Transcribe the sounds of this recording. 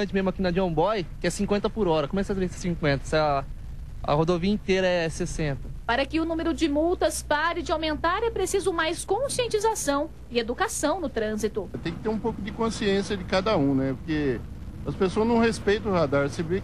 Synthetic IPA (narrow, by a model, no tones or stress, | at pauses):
ɐ̃t͡ʃɪmezmʊakinɐd͡ʒõbɔjkɪɛsĩŋkwẽnt̪ɐpʊɾɔɾɐkõmɛksɐt̪ɾẽsɪ̥sĩŋkwẽnt̪ɐsɪɐ | ɐ̰hod̪oviɐĩt̪eɾɐɛsesẽnt̪ɐpaɾɐkɪʊnũmeɾʊd͡ʒɪmuwt̪ɐspaɾɪd͡ʒɪawmẽnt̪aɾɛpɾesizʊmajskõsiẽnt͡ʃizasɐ̃w̃ | ɪed̪ukasɐ̃w̃nʊt̪ɾɐ̃zit̪ʊt̪ẽj̃kɪ̥t̪eɾũpowkʊd͡ʒɪkõsiẽsjɐd͡ʒɪkad̪ɐũnɛpʊɾke | ɐspesoɐznɐ̃w̃hespejt̪ɐ̃ʊhad̪aɾsebe